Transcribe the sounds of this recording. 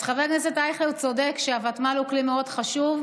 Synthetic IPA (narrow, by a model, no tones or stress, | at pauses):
χaveɡnesetajχlelt͡sodekʃeavatmaluklimeo̞dχaʃuv